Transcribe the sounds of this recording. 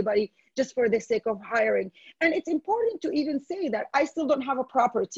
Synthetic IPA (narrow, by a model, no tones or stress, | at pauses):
ibɑɾi | d͡ʒʌstfə˞ðɨseɪkʌvhaɪə˞ɪ̃ŋɨ̃nɨtsɨ̃mpʰɔɹʔn̩tʰːɨʔivɨ̃nseɪðætaɪstɪlˠdõʊ̃nt̚ɦævəpʰɹ̥ɑpə˞tʰ